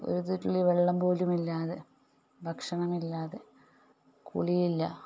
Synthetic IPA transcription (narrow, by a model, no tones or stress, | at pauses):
o̞̰ɾut̪itːuɭːiʋeɭːɐmbo̞ːlumilːaːðe | bʱɐkʂɐɳɐmilːaːðe | kṵɭijilːɐ